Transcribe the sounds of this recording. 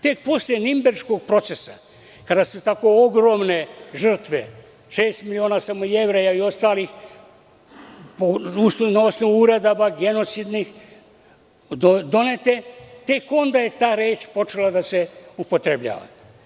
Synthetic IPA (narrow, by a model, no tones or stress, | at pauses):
t̪e̞k̚po̞sljenimbeɾʃko̞ɡ̚pɾo̞t̪sesa̰ | kad̪asut̪ako̞oɡɾo̞mne̞ʒr̩t̪ʋe | ʃe̞ːst̪milio̞ːnaːsamojeʋɾejaio̞st̪aːlix | pousnonaosno̞ʋuuɾed̪obaɡe̞not̪sid̪nix | od̪o̞net̪et̪e̞ko̞nd̪aːje̞t̪aːɾeːt͡ʃpo̞t͡ʃelad̪aseupot̪ɾebʎa̰ːʋa̰